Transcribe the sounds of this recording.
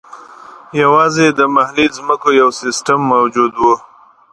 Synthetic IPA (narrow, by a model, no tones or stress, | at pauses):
jawɑzed̪əmahlizməkojawsɪsʈamːawd͡ʒud̪wu